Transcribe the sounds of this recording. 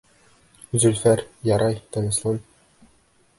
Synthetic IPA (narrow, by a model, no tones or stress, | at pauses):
zɵlʲfæɾjɑɾɑjt̪ɤ̆nɤ̆slˠɤn